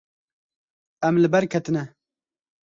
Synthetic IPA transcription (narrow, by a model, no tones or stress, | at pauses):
ɛmlɨbɛɾkʰɛt̪ɨnɛ